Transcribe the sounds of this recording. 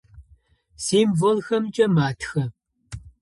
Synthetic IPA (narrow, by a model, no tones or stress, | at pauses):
siːmvolxɐmt͡ʃʼɐmaːtʰxɐ